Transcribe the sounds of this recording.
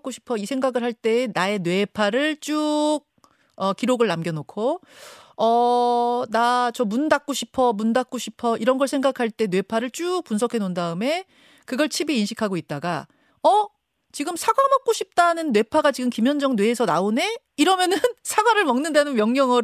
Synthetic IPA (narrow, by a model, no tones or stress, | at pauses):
k͈oɕʰi̥pʰʌisʰeŋɡaɡɯɭhaɭt͈e̞ːnae̞nwe̞pʰaɾɯɭt͡ɕ͈uk̚ | ʌkiɾoɡɯɭːamɡjʌnokʰo | ʌ | nat͡ɕʌmundak̚k͈oɕʰipʰʌmundak͈̚oɕʰipʰʌʔiɾʌnɡʌɭsʰeŋɡakʰaɭt͈e̞nwe̞pʰaɾɯɭt͡ɕ͈uk̚p͈unsʰʌkʰe̞nondaɯme̞ | kɯɡʌɭt͡ɕʰibiːnɕʰikʰaɡoit̚t͈aɡa | ʌ | t͡ɕiɡɯmsʰaɡwamʌk͈̚oɕʰip̚t͈anɯnːwe̞pʰaɡat͡ɕiɡɯmkimjʌnd͡ʑʌŋnwe̞ːsʰʌna̰one̞ | iɾʌmjʌnɯnsʰaɡwaɾɯɭmʌŋnɯndanɯnmjʌŋɲjʌŋʌ